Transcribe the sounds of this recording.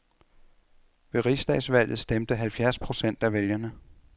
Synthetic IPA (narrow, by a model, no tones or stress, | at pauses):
ʋe̝ʁisd̥ɛ̰ːsʋæl̰ð̩ˠsd̥emd̥əɦælfjæɐspʰʁo̝sen̰d̥æʋeljɐnə